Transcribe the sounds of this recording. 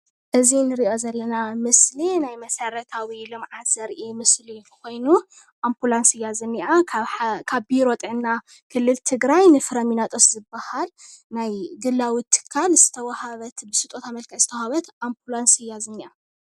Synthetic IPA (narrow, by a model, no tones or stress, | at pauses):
ʔɨzinɨɾiʔo̞zɐlːɐnamɨslinajmɐsɐɾɐt̪ʰawilɨmʕat̪sɐɾʔimɨsliko̞jnu | ʔampulansɨjazɨnːiʔakʰaβbiɾo̞t̪ʼɨʕɨnːa | kʰɨlːɨlt̪ʰɨɡɾajnɨfɨɾɐminat̪ʼoszɨbːahalnajɡɨlːawit̪ʰːɨ̥kʰːalz̥ɨ̥t̪ʰɐwɐhaβɐt̪bɨsɨt̪ʼo̞t̪amɐlkʰaz̥ɨt̪ʰwhaβɐt̪ʔampʰulansɨjːazɨnːiʔa